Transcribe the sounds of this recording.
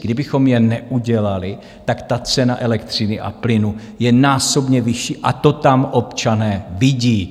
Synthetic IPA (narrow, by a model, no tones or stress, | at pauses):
ɡdɪbɪxo̞mjɛnɛʔuɟɛlalɪ | t̪akt̪at͡sɛnaʔɛlɛkt̪r̝̥ɪnɪʔa̰plɪnu | jɛnaːso̞bɲɛvɪʃiːʔat̪o̞t̪amʔo̞pt͡ʃanɛːvɪɟiː